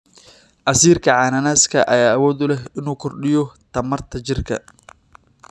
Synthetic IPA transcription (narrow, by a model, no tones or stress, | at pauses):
ʔɐsiːrkʰɐʕaːnɐnaːskʰɐʔɐ̰jaːɐwɔːd̪ʊlɛɦɪnuːkʰɔrɗɪjɔt̪ʰɐmɐrt̪ʰɐt͡ʃɪrkʰɐ̰